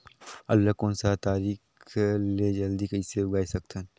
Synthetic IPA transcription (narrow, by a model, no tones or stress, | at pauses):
ɐlːakoːnsat̪aːɾiːkled͡ʒɐld̪ikɐiseʊɡaːisɐk̚t̪ən